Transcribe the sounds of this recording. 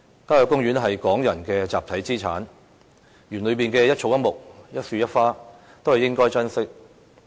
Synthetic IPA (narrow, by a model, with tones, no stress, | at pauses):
kaː˥jɔ˨˧˩kːʊ˥ŋɥyː˨˥nɦɐ˨jkɔː˨˥ŋjɐ˨˩nkɛː˧t͡saː˨p̚t̪ʰɐ˨˥jt͡siː˥t͡sʰaː˨˥n | jyː˨˩nlɵ˨˧ɥpiː˨nkɛː˧jɐ˥t̚t͡ʃʰo˨˥wjɐ˥t̚mʊ˨k̚jɐ˥t̚fyː˧˥jɐ˥t̚faː˥ | t̪o˥whɐ˨˩jɪ˥ŋkɔː˥jt͡sɐ˥nsɪ˥k̚